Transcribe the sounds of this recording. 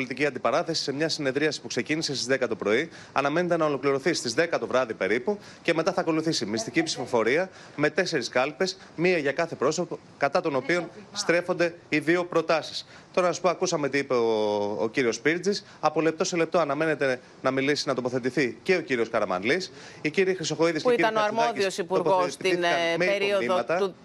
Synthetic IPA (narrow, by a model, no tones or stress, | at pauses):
olit̪iciɐnd̪ipɐɾɐθe̞si̥se̞mɲɐsine̞ðɾiɐsi̥pukse̞cinise̞st̪izðekɐt̪o̞pɾo̞i | ɐnɐme̞ne̞t̪e̞nɐo̞lo̞kliɾo̞θist̪izðe̞kɐt̪o̞vɾɐðipe̞ɾipu | ce̞me̞t̪ɐθɐko̞luθisimist̪icipsifo̞fo̞ɾiɐ | me̞t̪e̞se̞ɾiskɐlpe̞s | miɐʝɐkɐθe̞pɾo̞sopo | kɐt̪ɐt̪o̞no̞pio̞nst̪ɾe̞fond̪e̞iðio̞pɾo̞t̪ɐsi̥s | t̪o̞ɾɐsɐspoɐkusɐme̞t̪iipe̞o̰ːciɾio̞spiɾd͡zis | ɐpo̞le̞p̚t̪o̞sele̞p̚t̪o̞ɐnɐme̞ne̞t̪e̞ | nɐmilisinɐt̪o̞poθe̞t̪iθice̞o̞ciɾio̞skɐɾɐmɐ̰nlisiciɾixɾiso̞xo̞iðiskpeiit̪oɐnoɐɾmoðisosipuoɾɣposinɐmieɾioiðmɐt̪ɐ